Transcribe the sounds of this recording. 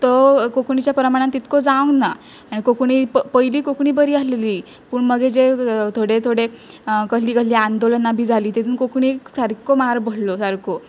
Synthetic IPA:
t̪okokɳit͡ɕjapɾəmaɽ̃ãnt̪ːit̪kod͡zãwna | aɽ̃ikokɳiːpəjliːkokɳiːbəɾiːəsleliː | puːɳməɡed͡ʑet̪ʰoɽet̪ʰoɽe | kəsliːkəsliand̪olənːabʱiːd͡zʱaliːt̪et̪uːnkokɳ̃iːsəɾkomaɾbʱəɽlosəɾko

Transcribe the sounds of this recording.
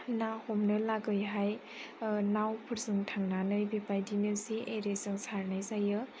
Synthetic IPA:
nahɔmnɯlaɡɯjɦaj | nawpʰɯɾsɯŋtʰaŋnanɯjbepajdinɯsiʔeɾesɯŋsaɾnajzajɯ

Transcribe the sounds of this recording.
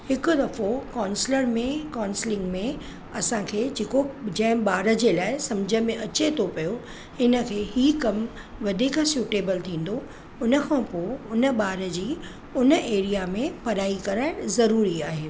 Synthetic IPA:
hɪkʊd̪ɐfokaːnsɪləɾmẽkaːnsɪlɪ̃ŋɡmẽ | ɐsãkʰeːd͡ʑeːkod͡ʑɐ̃ɦɪ̃ɓaːɾə̆d͡ʑelaːɪsɐmd͡ʑʱəmẽʔɐt͡ɕet̪ʰopɐjo | hɪnə̆kʰeːɦiːkɐm | ʋɐd̪ʱiːksjuːʈeːbəlt̪ʰĩːn̆d̪o | ʊnə̆kʰãpoːʊnə̆ɓaːɾə̆d͡ʑiː | ʊnə̆ʔeːɾijamẽpɐɾaːikɐɾaɪ̃zɐɾuːɾiaːɦeː

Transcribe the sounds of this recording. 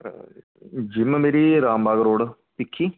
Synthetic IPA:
d͡ʑimːɐmeɾiɾaːmbʱaːɣɐɾoːɽɨpikʰːi

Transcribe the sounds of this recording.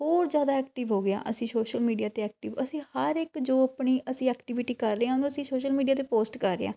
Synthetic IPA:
hoːɾzjaːd̪aːɛːkʈɪʋɦoːɡɪa̰ːʔəsĩːsoːʃəlmiːɖijaːt̪eːɛːk̚ʈɪːʋəsĩːhəɾɪkd͡ʒoːapɳiːʔəsĩːɛːkʈɪʋɪʈiːkəɾːeːãːʊnũːəsĩːsoːʃəlmiːɖiaːt̪eːpoːsʈkəɾːḛa̰ː

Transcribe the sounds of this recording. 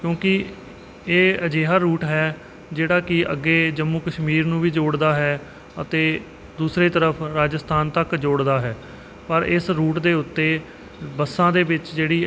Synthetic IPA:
kjõːkɪ | eːəd͡ʒeːɦaːɾuːʈɦɛː | d͡ʒeːɽaːkɪə̰ɡːeːd͡ʒəmːuːkəʃmiːɾnũːʋiːd͡ʒoːɽd̪aːɦɛː | ət̪eː | d̪uːsɾeːt̪əɾəpʰɾaːd͡ʒəst̪ʰaːnt̪əkd͡ʒoːɽd̪aːɦɛː | pəɾɪsɾuːʈd̪eːʊt̪ːeː | bəsːãːd̪eːbɪt͡ʃd͡ʒeːɽiː

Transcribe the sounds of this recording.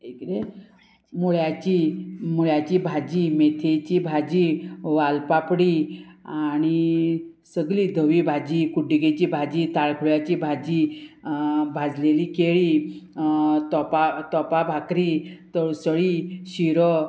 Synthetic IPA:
ekɾe | muɭjat͡ɕimuɭjat͡ɕiːbʱad͡ʑiːmet̪ʰet͡ɕiːbʱad͡ʑiːʋalpapɽiañi | səɡliːd̪ʱəʋibʱad͡ʑiːkuɖiɡet͡ɕiːbʱad͡ʑiːt̪aɭkʰuɭjat͡ɕiːbʱad͡ʑi | bʱad͡zleliːkeɭi | t̪ɔpat̪ɔpabʱakɾiːt̪əɭsəɭiːɕiɾə

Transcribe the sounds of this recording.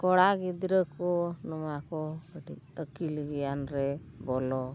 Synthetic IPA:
kɔɽaɡid̪ɾəkɔnɔmakɔəɖik̚əkilɡijanɾɛ | bɔlɔ

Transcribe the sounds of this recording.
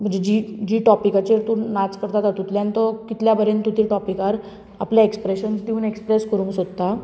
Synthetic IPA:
m̤əɳd͡zed͡ʑid͡ʑiːʈɔpikat͡ɕeɾt̪unat͡skəɾt̪at̪at̪ut̪ljãnt̪ɔkit̪ljabəɾent̪ut̪iʈɔpikaɾ | a̰pljaekspɾeɕənsd̪iuːnekspɾeskəɾũŋɡsod̪t̪a

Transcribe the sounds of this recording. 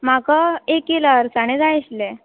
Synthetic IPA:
m̤akaekːelaəɾsaɽ̃ed͡zajɕlɛ

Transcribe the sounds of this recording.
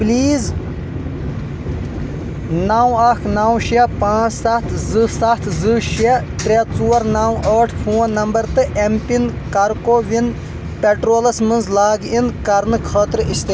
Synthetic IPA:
pliːz | naːwɐkʰnawʃɐpãːt͡ssɐt̪ʰzɨsɐt̪ʰzɨʃe | t̪ɾʲet͡suːɐɾnawɐːʈʰpʰuːnɐmbɐɾt̪ɨʔempin | kɐɾkoːʋin | pʲeʈɾoːlɐsmɨnzlaːɡinkɐɾnɨkʰɐːt̪ɾist̪e

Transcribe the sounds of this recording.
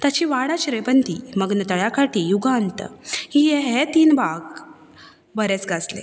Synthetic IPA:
t̪jat͡ɕiːʋaɽat͡ɕɾebənt̪iːməɡnət̪əɭjakaʈiːjuɡant̪əhijeɦet̪iːnbʱaɡ | bəɾet͡sɡʱaslḛ

